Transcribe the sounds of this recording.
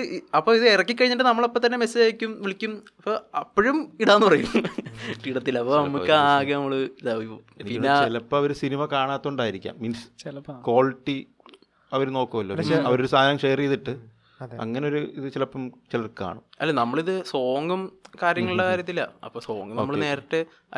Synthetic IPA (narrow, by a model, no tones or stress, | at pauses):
ɐpːoːiðɨerɐkːikːɐɻiɲːiʈːɨnɐmːɐɭopːet̪ɐnːe̞mesːɐaːjikʲːumʋiɭikʲːumɐpːoːɐpːoɻumiɽaːnːɨpɐrɐjum | iɽɐt̪ːilːɐpːonɐɐmːukːɨaːɣɐnɐmːɐɭlɐ | npinːeilɐpːɐɐʋɐɾusinimɐkaːɳaːt̪ːuɳɖaːjiɾikʲːa̰ːmːinsko̞ːlʈːi | ɐʋɐɾno̞ːkːɐmɐlːo̰ːiɐʋɐɾoɾusaːd̪aɾɐmʂejɐrijðiʈːɨ | ɐ̰ŋːɐneoɾuiðɨt͡ɕilɐpːɐmt͡ɕilɐrka̰ːɳumɐ̰lːenɐmːɐɭiðɨso̞ːŋɡɐmkaːɾjɐŋːɐɭiɭːɐkaːɾjɐt̪ːilɐ̰ɐ̰pːoːso̞ːŋɡɐmnoːmːɐɭne̞ːrɐʈːɨ